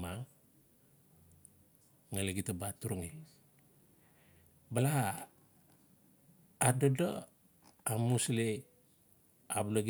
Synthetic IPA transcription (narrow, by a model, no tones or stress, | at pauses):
ma | ŋaleɡitabatuɾuŋe | bala | dodo | amusle | abuloɡ